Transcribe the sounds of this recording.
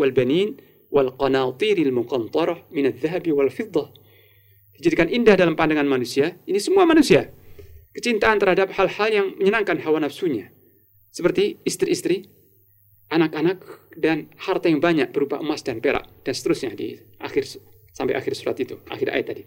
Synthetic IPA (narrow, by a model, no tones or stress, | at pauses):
walbanin | wʔalqɑnat̪ˤiɾalmukɑnt̪ˤɑɾˤɑhmɪnaðːaɦabiwalfɪd̪ˤːɑ | d̥id͡ʒadikanʔindahdalampandaŋanmanusiainisəmuamanusiakət͡ʃint̪aʔːnt̪ərhadap̚halhaljaŋməɲənaŋkanɦawanafsuɲa | səpərt̪iːst̪ɾiːst̪ɾi | ʔanakanak̚danhart̪ajaŋbaɲak̚b̥əɾuba̰ʔəmasdanpeɾa̰ʔd̥ansə̥t̪əɾusɲadḭ | ʔa̰xɪr | sampa̰jʔa̰xɪrsuɾa̰t̪it̪uʔa̰xɪɾa̰ɪ̰t̪ːadi